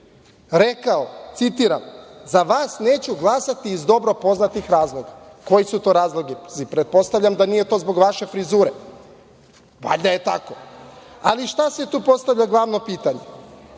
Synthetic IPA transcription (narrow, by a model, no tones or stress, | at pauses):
ɾekaot̪sit̪iɾa̰mzaʋaːsne̞ːt͡ɕuɡlˠasat̪iːzd̪o̞bɾo̞po̞znat̪ixɾaːzlˠo̞ɡako̞jisut̪o̞ːɾaːzlˠoɡiipɾet̪̚po̞st̪aʋʎamd̪anije̞t̪o̞ːzbo̞ɡʋaʃe̞fɾizuːɾe | ʋa̰ʎʲd̪ajet̪a̰ko̞ | aliʃt̪aset̪uːpo̞st̪avʎaɡlˠaːʋno̞piːt̪aɲe